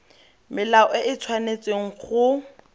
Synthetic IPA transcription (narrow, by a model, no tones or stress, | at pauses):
mɪlaɔɪʔɪt͡sʰwanet͡sʼeŋ̩χʊ